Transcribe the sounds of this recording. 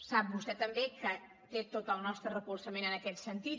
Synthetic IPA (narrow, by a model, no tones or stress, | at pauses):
sap̚bust̪ɛt̪əmbekə | t̪et̪ot̪əlˠnɔst̪ɾərəkulˠsəmenənəkɛt̪sənt̪i